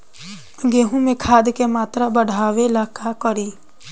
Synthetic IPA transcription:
ɡeːɦũmẽkʰaːd̪kemaːt̪ɾabəɽ̤ʱaːʋelaːkakəɾiː

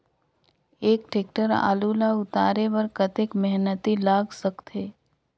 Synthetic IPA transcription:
eːkʈeːk̚ʈəɾa̰ːluːlaʊt̪aːɾeʋɐɾkɐt̪ɪkmɛɦnət̪ilaːɡsɐkt̪eː

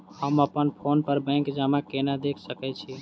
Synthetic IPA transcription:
həməpənpʰonpəɾbə̃ŋkd͡ʒamakenad̪ekʰsəkɛt͡ʃʰi

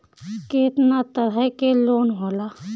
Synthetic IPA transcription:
keːt̪nat̪əɾəkeloːnɦoːla

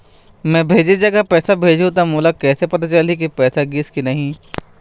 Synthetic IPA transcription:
mɛ̃ːbʱeːd͡ʒed͡ʒɐɡapɛːsabʱeːd͡ʒʱut̪amoːlakɛːsepɐt̪at͡ʃɐlik̬ipɛːsaɡɪskinɐɦĩ

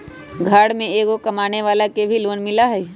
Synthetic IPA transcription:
ɡʱaːɽmẽeːɡokɐmaːneʋaːlakebʱiloːnmɪlaɦɛː

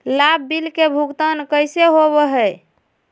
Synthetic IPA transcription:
lab̚ːilkebʱuɡt̪ənkəjseɦoβəɦɛj

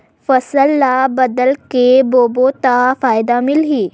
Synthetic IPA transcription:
fəsəlːabəd̪əlkebobot̪afajd̪amilɦiː

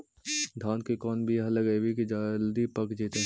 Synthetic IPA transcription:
d̪ʱãːnkikɔːnbʱiɐɦɐləɡɐebʱikid͡ʒaːld̪ipɐkd͡ʒiːt̪ẽ

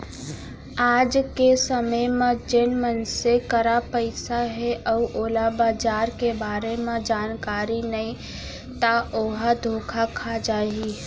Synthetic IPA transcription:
aːd͡ʒkesəməjmẽd͡ʒɪnmənsekəɾapəɪsaɦɛʔəʔoːlabaːd͡ʒaːɾkebaːɾemẽd͡ʒaːnkaːɾinəĩ | t̪aoːɦad̪ʱoːkʰakʰad͡ʒaːi

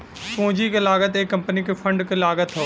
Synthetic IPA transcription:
kõːd͡ʒikelaːɡət̪eːkːə̃mpnikefʰə̃ɳɖkelaːɡət̪ɦo

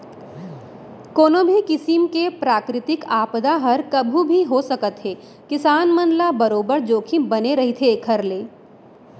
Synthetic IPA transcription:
koːnobʱikɪsɪmkepɾaːkɾɪt̪ɪkaːpd̪aɦɐɾkɐbʱubʱiɦosɐkət̪ɦeː | kɪsaːnmə̃nlabɐɾoːbəɾd͡ʒoːkʰibɐneɾɐɦit̪ʰekʰəɾleː

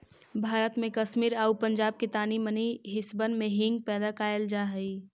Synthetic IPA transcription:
bʱaːɾət̪mẽkəʃmiːɾaːupə̃ɲd͡ʒaːb̚ket̪aːniməniɦɪsbənmẽɦɪ̃ŋɡ̚pɛːd̪akaːjəld͡ʒaːɦəi

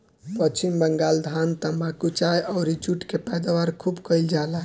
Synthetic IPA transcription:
pətːt͡ʃʰimbəŋɡald̪ʱant̪əmbakut͡ʃajɔʊɾit͡ʃuʈkepɛjd̪aʋaɾkʰubkəɪld͡ʒalaɦ

